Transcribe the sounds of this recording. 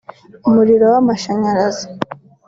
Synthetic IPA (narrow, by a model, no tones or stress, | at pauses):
umuɾiɾo̞wamaʃaɲaɾaza